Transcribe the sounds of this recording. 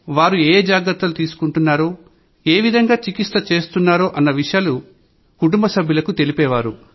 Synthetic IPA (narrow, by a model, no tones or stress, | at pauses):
ʋaːɾueːd͡ʒaːɡɾɐɾt̪ːɐlut̪iːsu̥kuɳʈunːaːɾoː | eːʋid̪ʱɐŋɡaːt͡ʃikist̪ɐt͡ʃe̞ːst̪unːaːɾo̞ːʔɐnːɐʋiʂjaːlu | kuʈumbɐsɐbʱjulɐkut̪e̞lipɛːʋaːɾu